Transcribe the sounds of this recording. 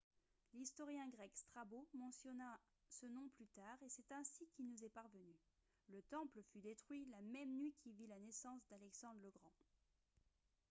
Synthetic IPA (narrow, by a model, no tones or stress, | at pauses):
list̪ɔʁjɛ̃ɡʁɛkst̪χabomɑ̃sjɔna | sənɔ̃plyt̪aʁesɛt̪ɛ̃sikʲilnuzɛpaʁvəny | lət̪ɑ̃pləfyd̪et̪χɥilamɛmnɥikʰʲivilanɛsɑ̃sd̪alɛksɑ̃d̪ʁləɡʁɑ̃